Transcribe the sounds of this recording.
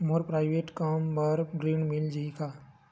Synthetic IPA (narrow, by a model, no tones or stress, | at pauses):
moɾpɾaːɪʋeːʈkaːmbəɾɡɾiːnmild͡ʒikʰaː